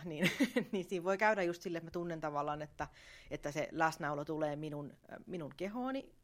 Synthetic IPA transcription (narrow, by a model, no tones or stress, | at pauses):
niːnniːnsiːʋʋoikæydæjust̪silːet̪mæt̪unːent̪ɑʋɑlːˑɑːnet̪ːæ | et̪ːæsḛlæsnɑulot̪uleːminunminuŋkehoːni